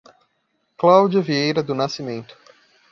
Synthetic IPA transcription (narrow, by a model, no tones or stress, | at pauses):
klawd͡ʒɐviejɾɐd̪ʊnasimẽnt̪ʊ̥